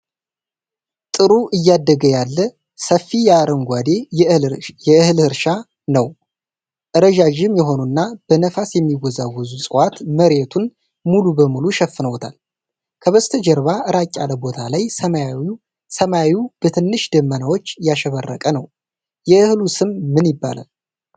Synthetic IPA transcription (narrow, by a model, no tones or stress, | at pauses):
t̪ʼɨɾuʔɨjːad̪ːəɡəjalːə | səfːijaɾəŋɡʷad̪e̞ | jɛɨhɨlhɨɾʃa | nəw | ʔɨɾəʒaʒɪmjɛɦo̞nunːab̥ənəfasjɛmːiɡɔzawɔzusʼɨwat̪məɾet̪ʰun | mulubəmuluʃɛfːɨnəwt̪ʰa̰l | kʰəβəst̪ʰəd͡ʒɛɾβaʔɨɾakʲʼːaləbo̞t̪ʰalajə | səmawub̥ət̪ʰɨnːɨʃd̪əmːənawo̞t͡ʃːjaʃɛβərːə̰kʼənəw | jɛɨhlusɨmmɨnjɪbːa̰la̰l